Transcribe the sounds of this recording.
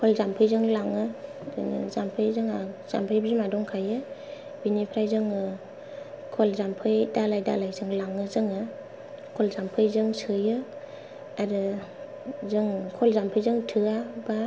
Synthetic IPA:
kʰɔlzampʰɯjzɯŋlaŋɯ | zɯ̰ŋɯ̰zampʰɯjzɯŋaz̥a̰mpʰɯjbimadɔŋkʰajɯ | binipʰɾajzɯŋɯ | kʰɔlzampʰɯjdalajda̰lajzɯŋlaŋɯzɯŋɯ | kʰɔlzampʰɯjzɯŋsɯjɯ | aɾɯ | zɯŋkʰɔlzampʰɯjzɯŋtʰɯaba

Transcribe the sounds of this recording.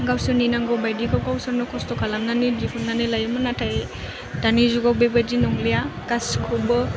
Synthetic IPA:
ɡawsɯninaŋɡɔbajdikʰɔwɡawsɯɾnɔkʰɔstɔkʰalaŋnanidipʰunːanɯlajɯmɯnatʰaj | danizuɡawbajbajdinɔŋlijakaskʰɔbɔ

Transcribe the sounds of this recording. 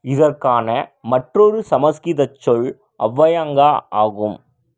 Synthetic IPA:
ɪðɐrkaːnɐmɐʈrɔɾɯsɐmɐskɪðɐt͡ʃːɔɭ | ʔɐʋːɐjaːŋɡaːaːɣɯm

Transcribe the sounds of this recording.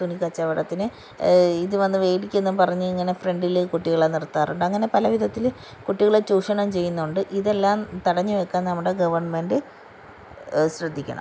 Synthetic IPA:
t̪unikɐt͡ɕːɐʋiɽɐt̪ːinɨ | iðɨʋɐnːɨʋeːɽikʲːenːumpɐrɐɲːuiŋːɐne̞fre̞ɳɖilkuʈːiɣɐɭanirt̪ːaːɾuɳɖɨɐŋːɐne̞pɐlɐʋiðɐt̪ːil | kuʈːiɣɐɭet͡ɕuːʂɐɳɐmt͡ɕe̞jːunːɐuɳɖɨʔiðe̞lːaːmt̪ɐɽɐɲːuʋekːaːnnɐmːuɽe̞ɡɐʋɐrɳmenɖɨ | ɕrɨd̪ʱːikʲːɐ̰ɳɐ̰m

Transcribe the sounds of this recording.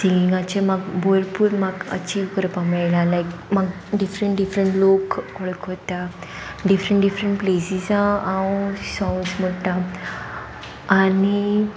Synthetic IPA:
siŋɡiŋɡat͡ɕemaɡbojlpuːɾmaɡə̰t͡ɕiːʋkəɾpamajlalajkmaɡ | ɖifɾə̃ɳʈɖifɾəɳʈlokɔɭəkɦot̪a | ɖifɾəɳʈɖifɾəɳʈplesizãaosãwsmoʈã | ani

